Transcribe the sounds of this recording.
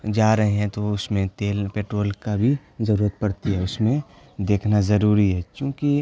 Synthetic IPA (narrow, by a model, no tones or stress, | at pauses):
d͡ʒaːɾɐɦeɦɛ̃t̪oʊsmẽt̪eːlpeːʈɾoːlkabʱi | zɐɾuːɾət̪̚pɐɽt̪iɦɛʊsmẽ | d̪eːkʰnazɐɾuːɾiɦɛt͡ʃjõːki